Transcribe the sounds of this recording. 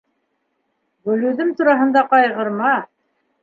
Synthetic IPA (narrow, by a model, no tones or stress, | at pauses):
ɡɵ̆lʉðɘmt̪uɾɑɦɤ̆nd̪ɑqɑjʁɤ̆ɾmɑ